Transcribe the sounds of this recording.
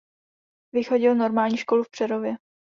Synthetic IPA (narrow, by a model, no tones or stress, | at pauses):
vɪxo̞ɟɪlno̞ɾmaːlɲiːʃko̞lufpr̥ɛɾo̞vjɛ